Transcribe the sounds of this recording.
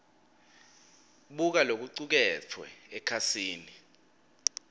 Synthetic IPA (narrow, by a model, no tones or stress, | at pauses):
ɓuk̬alok̬uǀuk̬ɛtʰwɛ̰ɛkʰasiːni